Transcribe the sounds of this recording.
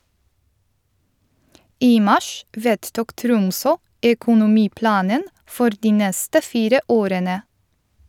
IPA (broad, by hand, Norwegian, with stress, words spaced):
ˈiː ˈmɑʃ ˈʋeːdˌtʊk ˈtɾʊmsɔ ɛkʊnʊˈmiːˌplɑːnən ˈfɔɾ ˈdiː ˈnɛstə ˈfiːɾə ˈoːɾənə